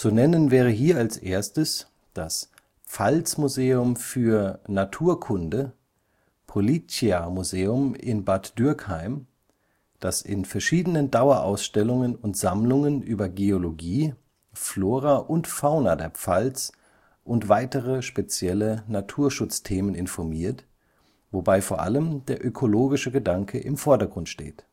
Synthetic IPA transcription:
t͡sunɛnənvɛːʁ̞əɦiːɐalsʔeːɐstəs | d̥as | pp͡falt͡smuzeːʊmfyːɐnatʰuːɐkʰʊndə | pʰolit͡siamuzeːʊmɪ̰nbatd̥ʏɐkhaɪm | d̥asɪ̰nfɛɐʃiːdənəndaʊɐʔa̰ʊsʃtɛlʊŋənʊntz̥amlʊŋənʔyːbɐɡeoloɡiː | floːʁaʔʊntfaʊnadeːɐpp͡falt͡s | ʔʊntv̥aɪtəʁəʃpet͡sjɛlənatʰuːɐʃʊt͡stʰeːmənɪnfɔɐmiːɐt | vobaɪfoːɐʔa̰ləmdeːɐʔøkʰoloːɡɪʃəɡədaŋkʰəʔɪmfɔɐdɐɡʁʊntʃtḛːt

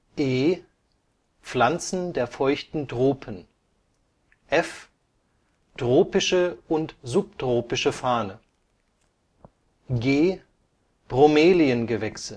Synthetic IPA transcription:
ʔeː | p͡flant͡sn̩deːɐfɔʏçtn̩dʁoːpʰən | ʔɛf | d̥ʁoːpɪʃəʊntzʊp̚d̥ʁ̥oːpɪʃəfaːnə | ɡeː | b̥ʁomeːliənɡəvɛksə

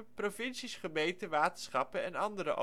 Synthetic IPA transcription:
profɪnsisχəmejtəʋaːtənsχɑpəɛnɑndəɾə̰ʔo̰

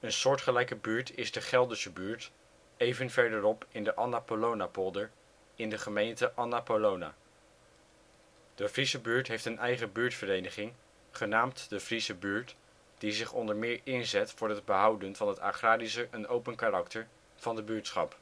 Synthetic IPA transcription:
ənsʊːɹtχəlɛjkəbyːɹtʰɪzdəχɛlˠdəsəbyːɹt | ejvənvɛɹdəɾɔpɪndəʔɑnapolownapolˠdəɹ | ɪndəχəmejntəʔɑnapolowna̰ː | d̥əvrisəbyːɹtɦejftənʔɛjχəbyːɹtfərejnəχɪŋ | χənaːmtdəvrisəbyːɹt | d̥izɪχɔndəɹmɪːɹɪnzɛtfʊːɹɦəd̚bəɦʌwdənvɑnɦəta̰χraːdisəʔənowpənkarɑktəɹ | v̥ɑndəbyːɹtsχɑ̰p

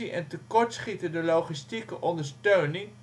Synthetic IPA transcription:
iʔɛntəkɔɹtsχitədəlowχistikəʔɔndəɹstøɥnɪŋ

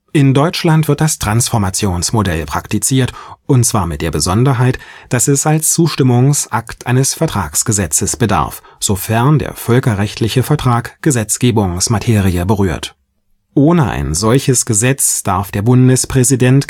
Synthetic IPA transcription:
ʔɪndɔʏt͡ʃlantv̥ɪɐt̚d̥astʁ̥ansfɔɐmat͡sjoːnsmodɛ̰lpʁ̥aktit͡siːɐtʔʊntt͡sv̥aːɐmɪt̚d̥eːɐbəzɔndɐɦaɪtd̥asɛsalst͡suːʃtɪmʊŋsʔaktʔaɪnəsfɛɐtʁ̥aːksɡ̥əzɛt͡səsb̥əda̰ɐfz̥ofɛɐndḛːɐfœlkɐʁɛçtʰlɪçəfɛɐtʁ̥aːkɡ̥əzɛt͡sɡ̥eːbʊŋsmatʰeːʁiəbəʁyːɐt | ʔoːnəʔa̰ɪnzɔlçəsɡ̥əzɛt͡sd̥aɐfd̥eːɐbʊndəspʁ̥ɛzidɛnt

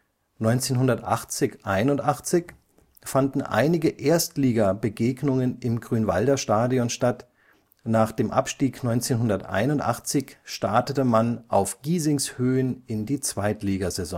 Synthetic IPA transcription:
nɔʏnt͡seːnɦʊndɐtʔa̰χt͡sɪçʔaɪnʊntʔaχt͡sɪç | fandn̩ʔa̰ɪnɪɡəʔeːɐstliːɡɐbəɡeːɡnʊŋənɪmɡʁyːnva̰ldɐʃtaːdiɔnʃtat | naːχd̥eːmʔa̰pʃtiːknɔʏnt͡seːnɦʊndɐtʔa̰ɪnʊntʔa̰χt͡sɪçʃtaɐtətəmanʔaʊfɡ̥iːzɪŋshøːənɪndiːt͡sv̥aɪtliːɡɐzɛzɔ̰̃

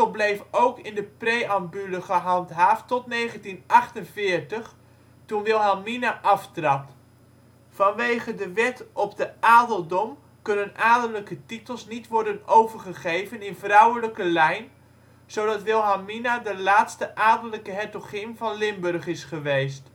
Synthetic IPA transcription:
lˠblejfowkɪndəprejɑmbyləχəɦɑntɦaːftɔtnejχəntinʔɑχtənvɪːɹtəχ | tunʋɪlˠɦaminaʔɑftrɑp | fɑnʋejχədəʋɛtʔɔp̚dəaːdəlˠdɔm | kɵnənʔaːdəmləkətitəlˠsnitʋɔrdənowvəɹχəχejvənɪnvrʌwələkəlɛjn | z̥owdɑtʋɪlˠɦaminadəlaːtstəʔaːdələkəɦɛtoχɪmvɑnlɪmbɵrχɪsχəʋejst

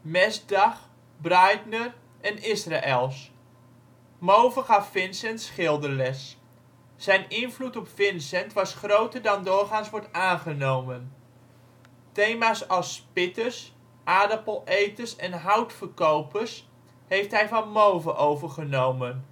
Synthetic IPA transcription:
mɛsdɑχ | brɑjtnər | ʔɛnɪsraʔɛlˠs | mowvəχɑfɪnsɛntsχɪlˠdəɹlɛsː | ɛjnɪnvlutɔpfɪnsɛntʋɑsχrowtəɹdɑndʊːɹχaːnsʋɔɹtaːnχənowmən | tejmaːsɑlˠspɪtəs | ʔaːdəpəlˠejtəsɛnɦʌwtfəɹkowpəɹs | ɦejftɦɛjvɑnmowvəʔowvəɹχənowmən

